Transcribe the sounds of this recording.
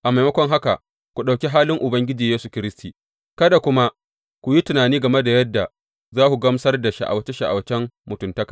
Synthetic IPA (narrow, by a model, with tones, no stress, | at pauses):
ʔa˨ma˨jmɐ˦kʷɔ˦ŋɦa˦ka˨ | kʷu˨ɗa˨wkʲi˦ɦaː˦lɪ˦ŋʔʊ˨bɐ˦ŋɡʲɪ˦d͡ʒiː˨jeː˦su˨kʲɪ˦ɾɪ˦stʰiː˨ | kɐ˦da˨kʷʊ˦ma˦ | kʷu˨ji˦tɪ˨naː˨niː˦ɡɐ˨me˦da˨jɐ˦dːa˨ | zaː˦kʷu˨ɡɐ˦msɐ˦rda˨ʃa̰˨ʔa̰˨wɐ˦t͡ʃe˦ʃa˨ʔa̰˨wɐ˦t͡ʃɛ˦mmʊ˨tʊ˨ntɐ˦kḁː˨